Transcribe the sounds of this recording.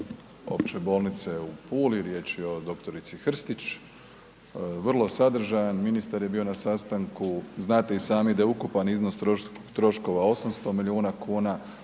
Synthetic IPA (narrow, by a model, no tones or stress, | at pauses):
o̞̰pt͡ɕebo̞ːlˠnit̪seupʰuːliɾje̞t͡ʃeo̞d̪o̞kt̪o̞ɾit̪sixr̩st̪it͡ɕ | ʋrlˠo̞sad̪r̩ʒajanminist̪aɾjebio̞nasast̪aŋkuznaːt̪e̞isaːmid̪ajukupanizno̞st̪o | t̪ɾo̞ʃko̞ʋao̞samst̪o̞miliuːnakʰuːna